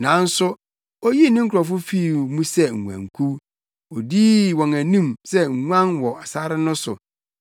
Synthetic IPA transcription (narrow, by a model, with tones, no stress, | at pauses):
nã˨˦n̩˦sʊ˦ | ɔ˦ji˦nɪ̃˦ŋ̩˦kʰʊ˨ɾɔ˨f̬ʊ˦fi˦˨mũ˦sɛ˦ŋ̩˨ŋʷ˨ã̰˨ŋ˨kʰu˦ | ɔ˨diː˦wɔ̃˨ŋæ˨nĩ˦msɛ˦ŋ̩˨ŋʷã˦nwɔ˨a˨sa˦ɾɪ˦nʊ̃˦sʊ̰˨